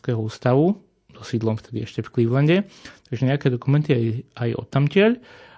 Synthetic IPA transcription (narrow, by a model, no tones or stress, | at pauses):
kɛːɦɔuːst̪aʋu | zɔsiːd̪lˠɔmft̪ɛd̪iɛʃcɛfkliʋlɛɲɟɛt̪aɡʒɛɲɛakɛd̪ɔkumɛnt̪iajajɔ̰t̪ːamcɪɛʎ